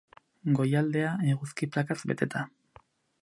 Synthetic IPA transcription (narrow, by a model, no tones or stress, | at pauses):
ɡo̞jald̪e̞aeɣuskiplakazbe̞̰t̪e̞t̪ʰa